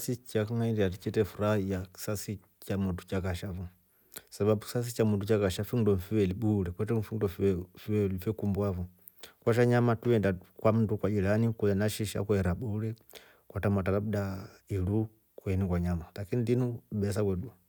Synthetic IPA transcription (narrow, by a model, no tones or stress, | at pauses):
sit͡ʃakaŋaidiat̬it͡ʃitɛfuɾahijaki̥sasi | t͡ʃamutu̥t͡ʃakaʃafu | sababuki̥sas̬it͡ʃamutut͡ʃakaʃafundɔɱfiwɛliɓuɾɛkwɛt̬ɛm̩fundɔffiwɛlifɛkumbwavu | kwaʃ̬aɲamatuɛndakwam̩tukwad͡ʒilanikuanaʃiʃa̰kuɛɾaɓuɾɛ | kwatamatalabuda | ilu | kuɛnikwaɲamalakinidinuɓɛsakwɛdua